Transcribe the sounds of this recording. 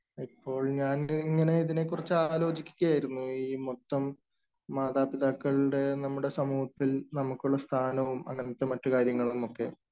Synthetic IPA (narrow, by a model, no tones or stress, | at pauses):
ipːo̞ːɭɲaːniŋːɐne̞iðine̞k̬ːurit͡ɕːaːlo̞ːd͡ʑikʲːu̥kʲːɐjaːjiɾunːuiːmot̪ːɐmː | aːd̪aːpiðaːkːɐɭɽe̞nɐmːuɽe̞sɐmuːɦɐt̪ːilnɐmukːuɭːɐst̪ʰaːnɐʋumɐ̰ŋɐnit̪ːɐmɐtːukaːɾjɐŋːɐɭumo̞kːe̞̰